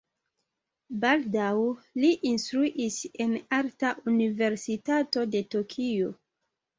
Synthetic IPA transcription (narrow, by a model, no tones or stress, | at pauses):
baldawliʔinstɾuʔise̞naɾtaʔunive̞ɾsitato̞de̞tokʰijo̞